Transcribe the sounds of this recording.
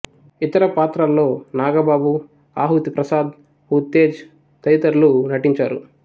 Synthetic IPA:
it̪ɐɾɐpaːt̪ɾaːlːo̞ːnaːɡɐbaːbu | aːɦut̪ipɾɐsaːd̪ | hut̪ːe̞ːd͡ʒ | t̪ɐjt̪ɐɾlunɐʈiɲt͡ʃaːɾu

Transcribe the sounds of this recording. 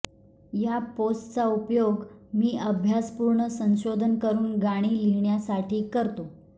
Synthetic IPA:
japosʈt͡saupjoɡmiːəbʱjaspuɾɳəsə̃ñɕod̪ʱənkəɾuːnɡaɽ̃iːliɳjasaʈʰiːkəɾt̪o

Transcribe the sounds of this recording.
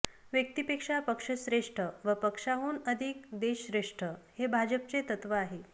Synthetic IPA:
ʋjək̚t̪ipekʂapəkʂəɕɾeʂʈʰəʋəpəkʂaɦuːnəd̪ʱikd̪eɕɾeʂʈʰəhebʱad͡ʑəp̚t͡set̪ət̪ʋəaɦe

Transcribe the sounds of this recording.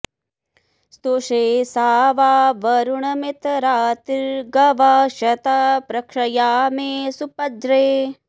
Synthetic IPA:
st̪oʂeːsaːʋaːʋɐɾuɳɐmit̪ɾaːt̪iɾɡɐʋaːʃɐt̪apɾɐkʂɐjaːmeːsupɐd̪ɾeː

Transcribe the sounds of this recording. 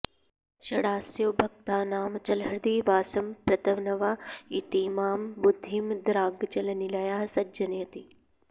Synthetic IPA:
ʃɐɽaːsjɐwbʱɐk̚t̪aːnaːmt͡ʃɐlɐɾd̪iːʋaːsɐmpɾɐt̪ɐʋnɐʋaːit̪iːmaːmbud̪ʱːimd̪ɾaːɡt͡ʃɐlɐnilɐjaːsɐd͡ʒɐnjɐt̪i

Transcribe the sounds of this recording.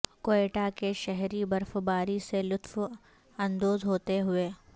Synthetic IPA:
koːeːʈakeʃɛɦɾibɐɾfbaːɾiselʊt̪f | ɐ̃nd̪oːzɦoːt̪eɦʊeː

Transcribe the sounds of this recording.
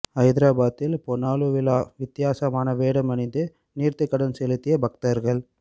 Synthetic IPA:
ɐɪðɪɾaːbaːt̪ːɪlpɔnaːluʋɪlaːʋɪt̪ːɪjaːsɐmaːnɐʋeːɽɐmɐnɪnd̪ɯ | niːɾt̪ɯkːɐɽɐnsɛlɯt̪ːɪjɐbʱɐk̚t̪ɐɾɣɐɭ

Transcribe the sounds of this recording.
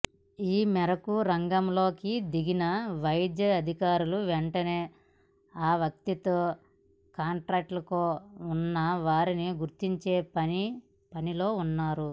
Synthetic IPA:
iːmɛɾɐkuɾɐŋɡɐmlo̞ːkid̪iɡinɐʋɐjd̪jɐɐd̪ʱikaːɾuluʋɛɳʈɐne̞ː | aːʋjɐk̚t̪it̪oː | kaːɳʈɾaːk̚ʈlɐkoːunːɐʋaːɾiniɡuɾt̪iɲt͡ʃe̞ːpɐni | pɐnilo̞ːunːaːɾu

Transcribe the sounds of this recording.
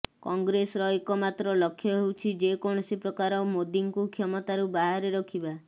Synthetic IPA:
kɔŋɡɾesɔɾɔekɔmat̪ɾɔlɔkʰːjɔɦewt͡ʃʰid͡ʒekɔɽ̃ɔsipɾɔkaɾɔmod̪iŋkukʰjɔmɔt̪aɾubaɦaɾeɾɔkʰiba

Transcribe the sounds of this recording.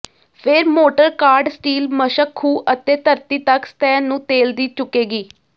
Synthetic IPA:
pʰɪɾmoːʈəɾkaːɾɖsʈiːlməʃəkʰːuːʔət̪eːt̪əɾt̪iːt̪əkst̪ɛːnũːt̪eːld̪iːt͡ʃʊkeːɡiː

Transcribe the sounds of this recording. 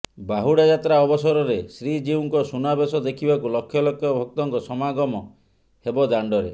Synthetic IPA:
baɦuɽjad͡ʒat̪ɾaɔbɔsɔɾɔɾesɾid͡ʒiuŋkɔsunabesɔd̪ekʰibakulɔkʰːjɔlɔkʰːjɔbʱɔk̚t̪ɔŋkɔsɔmaɡɔmɔ | hebɔd̪aɳɖɔɾḛ

